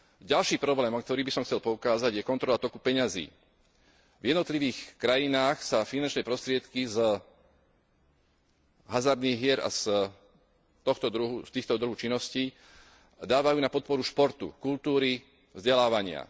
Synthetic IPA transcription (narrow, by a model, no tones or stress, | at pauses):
ɟalʃiːpɾɔblɛːmɔk̚t̪ɔɾiːbisɔmxt͡sɛlpɔukaːzaɟjɛkɔnt̪ɾɔlat̪ɔkupɛɲazḭː | vjɛd̪nɔt̪liʋiːxkɾajinaːxsafinant͡ʃnɛːpɾɔst̪ɾɪɛt̪kiz | ɦazaɾd̪niːɣɦɪɛɾa̰s | t̪ɔxt̪ɔd̪ɾuɦust̪iːxt̪ɔd̪ɾuɦut͡ʃinːɔsciː | d̪aːʋajuːnapɔt̪̚pɔɾuʃpɔɾt̪ṵkult̪uːɾi | vzɟɛlaːʋaɲɪa̰